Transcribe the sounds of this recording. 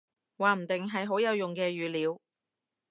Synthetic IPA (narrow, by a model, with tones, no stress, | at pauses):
waː˨m̩˨˩t̪ɪ˨ŋɦɐ˨jɦo˨˥wjɐ˨˧wjʊ˨ŋkɛː˧ɥyː˨liː˨˧w